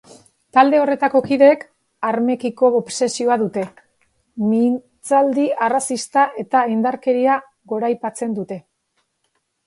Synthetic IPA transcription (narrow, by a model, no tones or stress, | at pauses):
t̪ald̪e̞o̞re̞t̪ako̞kiðe̞k | aɾme̞kiko̞ːpse̞sio̞aðut̪e̞ | mi | t͡sald̪iarasist̪aʔe̞t̪aind̪aɾke̞ɾia | ɣo̞ɾajpat͡se̞nd̪ut̪e̞